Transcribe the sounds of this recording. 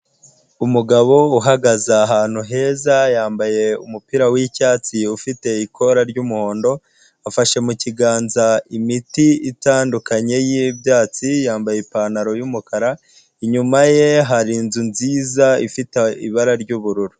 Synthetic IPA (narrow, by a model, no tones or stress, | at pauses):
umuɡaβo̞uɦaɡazaːɦaːn̥huɦe̞ːzajaːmbaje̞umupiɾawicaːt͡siufite̞ikʰo̞ɾaɾɟuːmuho̞ːndo̞ | afaʃe̞muciɡaːnzaimitiitaːndukaɲe̞jibjaːt͡sijaːmbajepaːnaɾo̞jumukaɾa | iɲumaje̞ɦaɾinzunziːzaḭfiteḭβaɾaɾɟuːβuɾuɾu